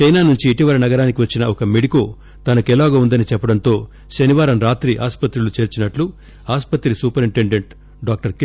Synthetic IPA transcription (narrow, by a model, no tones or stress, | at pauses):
t͡ʃɐjnaːnuɲt͡ʃiːʈiʋɐɾɐnɐɡɐɾaːnikiʋɐt͡ʃːinɐɔkɐmeɽikoː | t̪ɐnɐkɛlaːɡɐund̪ɐnit͡ʃɛpːɐɽɐnt̪o̞ː | ʃɐniʋaːɾɐmɾaːt̪ɾiʔa̰ːspɐt̪ɾulut͡ʃe̞ːɾt͡ʃinɐʈlu | aːspɐt̪ɾisuːpɐɾiɳʈe̞ɳɖeɳʈ | ɖaːk̚ʈɐɾk